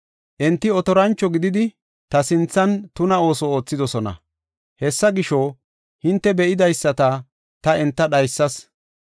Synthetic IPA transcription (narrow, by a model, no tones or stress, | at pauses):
ʔɛnt̪ːɪɔt̪ɔɾɐnt͡ʃːɔɡɪd̪ɪd̪ɪ | t̪ɐsɪnt͡sːɐnt̪ʊnɐo̞ːsɔoːt͡sːɪd̪ɔsɔnɐ̰ | hɛsːɐɡɪʃoː | hɪnt̪ːɛbɛʔɪd̪ɐjsːɐt̪ɐ | t̪ɐɛnt̪ːɐɗɐjsːɐs